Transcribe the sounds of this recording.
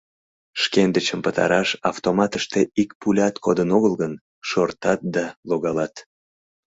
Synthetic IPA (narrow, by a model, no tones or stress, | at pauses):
ʃkend̪ət͡ɕəmpət̪ɑ̰ɾɑʃɑft̪omɑt̪əʃt̪eikpulʲɑt̪kʰod̪ənoɣəlɣən | ʃort̪ɑt̪̚d̪ɑloɣɑlɑt̪